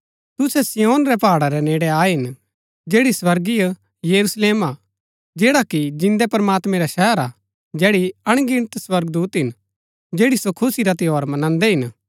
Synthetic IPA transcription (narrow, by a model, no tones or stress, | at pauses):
t̪ʊsɛsijoːnɾɛpaːɽaɾɛneːɽɛaːɦɪn | d͡ʒeːɽiswɐɾɡij | jɐɾusleːma | d͡ʒeːɽakid͡ʒɪ̃nd̪ɛpɐɾmaːt̪mɛ̃ɾaʃɛɦəɾa | d͡ʒɛːɽiɐɽ̃ɡɪɽ̃t̪swɐɾɡd̪uːt̪ɦɪn | d͡ʒeːɽisokʰʊsiɾat̪ɪɦoːɾmɐnãːnd̪ɛɦɪn